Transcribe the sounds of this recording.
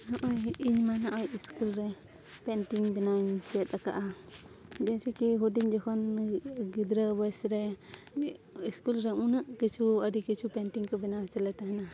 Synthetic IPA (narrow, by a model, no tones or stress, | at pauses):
nɔʔɔjiɲmanaʔɔjiskulɾɛ | pɛnʈiŋbɛnaɲt͡ʃɛt̪̚ˀaka̰ʔa | d͡ʒɛsɛkiɦuɖiɲd͡ʒɔkʰɔnɡid̪ɾəbɔjsɾɛ | iskulɾɛunaʔkit͡ʃʰuəɖikit͡ʃʰupɛnʈiŋkɔbɛnat͡ʃəlɛt̪aɦɛna